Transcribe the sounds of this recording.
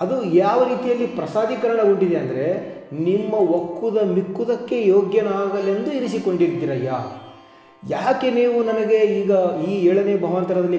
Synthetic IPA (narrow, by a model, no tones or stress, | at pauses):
ɐd̪ujaːʋɐɾiːt̪ijɐlːipɾɐsaːd̪ʱikɐɾɐɳɐɡoɳɖid̪eɐnd̪ɐɾe̞ | nimːɐʋokːud̪ɐmikːud̪ɐkːe̞joːɡjɐnɐaːɡɐle̞nd̪uiɾisiko̞ɳɖiɾid̪iːɾɐjaː | jaːke̞niːʋunɐnɐɡe̞iːɡɐiːɛːɭɐneːbʱɐʋɐnt̪ɐɾɐd̪ɐlːi